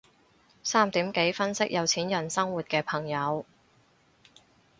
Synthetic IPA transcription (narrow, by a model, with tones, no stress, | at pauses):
saː˥mt̪iː˨˥mke˨˥jfɐ˥nsɪ˥k̚jʔɐ˨˧wt͡sʰiː˨˥njɐ˨˩nsɐ˥ŋwuː˨t̚kɛː˧pʰɐ˨˩ŋjɐ˨˧w